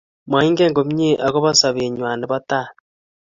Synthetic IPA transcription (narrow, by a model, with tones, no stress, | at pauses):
ma˨i˦ŋɡeː˦ŋɡo˨m˦ɲe˦ʔa˨ɣo˦βa˦sa˨βe˨ɲwa˨ne˨βa˦ta˦